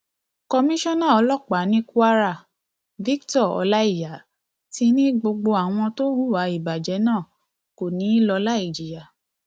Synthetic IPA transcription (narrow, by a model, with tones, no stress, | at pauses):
kɔ˧mĩ˦ʃɔ̃˦nã˦˨ɔ˧˦lɔ˦˨k͡pa˨˦nĩ˦ku˦a˦ɾa˦˨ | vi˦ktɔ˦˨ɔ̰˧la˦i˦˨ja˨˦ | ti˧˦nĩ˦ɡ͡bo˧ɡ͡bo˧a˨w̃ɔ̃˧to˦wu˦˨wa˨˦i˨ba˨d͡ʒɛ˨˦nãː˦˨ | ko˨nĩ˨˦i˦lɔ˧la˦i˦˨d͡ʒi˨ja˨